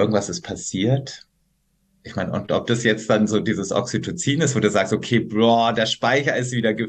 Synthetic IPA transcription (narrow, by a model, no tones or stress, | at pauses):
ɪɐɡŋ̩tv̥asɪst̚pʰasiːɐt | ʔɪçmaɪnʊ̰ntʔɔp̚d̥asjɛt͡std̥anzoːdiːzəsʔɔ̰ksitʰot͡siːnɪstv̥oːduːzaːkstʔokʰeːblɔːdeːɐʃpaɪçɐɪstv̥iːdɐɡə